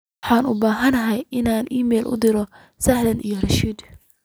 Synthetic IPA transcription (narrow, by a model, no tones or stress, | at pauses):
ħɑːnʊbaːɦɐnɐɦɛjʔɪnaːnʔiːmɛːlʔʊ̰d̪ɪɾɔ | sɐhlɐnʔḭjɔrɐʃiːd̪